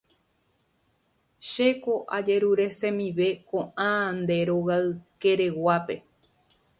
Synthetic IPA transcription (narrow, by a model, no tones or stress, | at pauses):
ʃe̞ko̞ʔa̰d͡ʒe̞ɾuɾe̞sẽ̞mĩʋe̞kõʔãnd̪e̞ɾo̞ɣaɨke̞ɾe̞wape̞̰